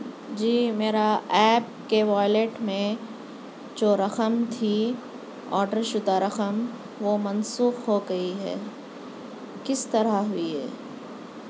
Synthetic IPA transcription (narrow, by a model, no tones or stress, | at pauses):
d͡ʒiːmeːɾaɛːp̚keʋaːjleːʈmẽ | d͡ʒoːɾɐxəmt̪ʰi | ɔːɾɖəɾʃʊd̪aɾɐxəm | ʋomɐnsuːxɦoɡɐiɦɛ̰ː | kɪst̪ɐɾaɦʊiɦɛ̰ː